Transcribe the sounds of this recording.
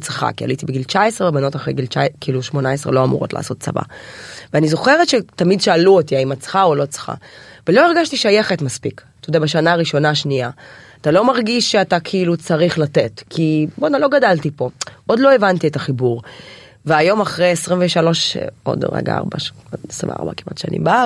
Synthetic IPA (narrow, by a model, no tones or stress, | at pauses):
t͡sχa̰kia̰litibeɡilt͡ʃaesʁevebano̞taχʁejɡilt͡ʃakiːluʃmo̞naesʁḛlo̞amṵʁotla̰ːso̞t̚t͡sa̰va̰veanizo̞χeʁetʃetamidʃaːluotiaimat͡sχaolo̞t͡sχa̰velo̞eʁɡaʃtiʃajeχetmaspikt̪ojodeabaʃanaːʁiʃo̞naʃniaat̪alo̞maʁɡiʃʃeatakʰiiːlut͡saʁiχlatetkʰibonaloɡadaltipo̞ʔodlo̞evantietaχibuʁ | veajo̞maχʁejesʁimveʃalo̞ʃo̰dʁḛɡa̰a̰ʁba̰sḭva̰a̰ʁba̰kima̰tʃa̰nḭmbaa